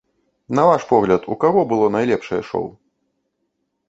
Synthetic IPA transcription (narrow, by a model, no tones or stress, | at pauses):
nɐvaʂpɔɣlʲɐt̪ʰukaɣɔbɨlˠɔnajlʲɛpʂɐjɛ̰ʂɔ̰w